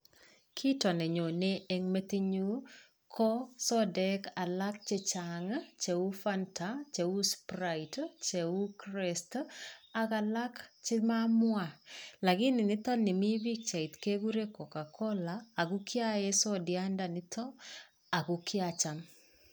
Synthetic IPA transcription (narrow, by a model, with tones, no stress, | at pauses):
kʰi˦tɔ˨nɛ˨ɲo˨neː˦˨ŋme˦te˦ɲu˦ | kʰɔ˦sɔ˦dɛ˦ka˨la˦k̚t͡ʃe˦t͡ʃaŋat͡ʃe˨u˦fa˦nta˨t͡ʃe˨u˦spɾaitt͡ʃe˨u˦kɾe˨sta˦ka˨la˦kt͡ʃɪ˦ma˦mwa˨la˨kɪ˦nɪ˨nɪ˦tɔ˦nɪ˨mi˦bi˦k̚t͡ʃa˨i˨tke˦ɡu˦ɾe˦kɔ˨ka˨kʰɔ˦laː˨ɡu˦kja˦jɛ˦sɔ˦dɪa˦nda˨nɪ˦tʰɔ˦ | a˨ɡu˨kʰjat͡ʃa˨m